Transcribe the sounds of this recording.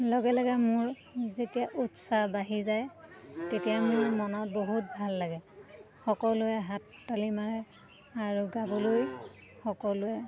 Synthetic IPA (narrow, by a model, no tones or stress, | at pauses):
lɔɡɛlɔɡamʊɹ | zetijaʔutsabaɦizajtetijamʊɹmɔnɔt̚boɦut̚bʱalːaɡɛ | xɔkɔlʊɛɦatːalimaɹɛ | aɹuɡabɔloj | xɔkɔlʊɛ